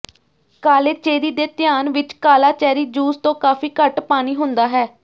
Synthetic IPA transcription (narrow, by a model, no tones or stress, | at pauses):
kaːleːt͡ʃeːɾiːd̪eːt̪ɪjaːnʋɪt͡ʃkaːlaːt͡ʃɛːɾiːd͡ʒuːst̪õːkaːfiːkəʈpaːñiːɦʊnd̪aːɦɛː